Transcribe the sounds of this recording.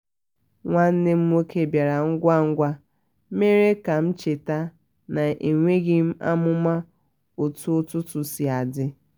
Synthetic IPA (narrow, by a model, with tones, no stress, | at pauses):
ŋʷa˦n̩˦ne˦m̩˦o˦ke˦˨bja˨ɾa˨ŋ̩˦ɡʷa˦ŋ̩˦ɡʷa˦ | me˦ɾe˦ka˨m̩˦t͡ʃe˨ta˦ | na˨ʔe˨ŋʷe˦ɣi˦m̩˦a̰˦mʊ˦ma˦ | o˨tu˦tʊ˦tʊ˨si˨a˨dɪ˦